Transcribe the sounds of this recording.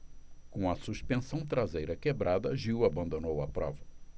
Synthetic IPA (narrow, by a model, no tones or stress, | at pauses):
kõɐsuspẽsɐ̃w̃t̪ɾazejɾɐkebɾʔad̪ɐʒiwabɐ̃nd̪onowɐpɾɔ̰vɐ